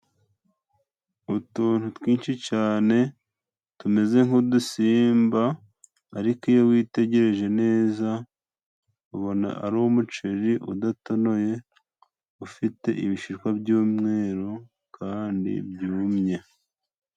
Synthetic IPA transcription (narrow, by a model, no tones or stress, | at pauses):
utuːnhutwiːnʃicaːne̞ | tume̞ze̞ŋudusiːmbaː | ɾikijowiːte̞ɟe̞ɾe̞ʒe̞ne̞ːza | uβo̞na̰ʔa̰ɾowumut͡ʃeɾiʔudato̞no̞je̞ | ufite̞̰ʔiβiʃiɾkwabɟuːmŋe̞ːɾo | kʰaːndḭbjuːmɲe̞